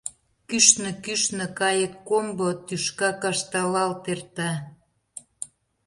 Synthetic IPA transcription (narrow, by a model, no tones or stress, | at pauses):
kyʃnə̆kyʃnə̆kɑjət̪kombot̪yʃkɑkɑʃt̪ɑlɑlt̪ert̪ɑ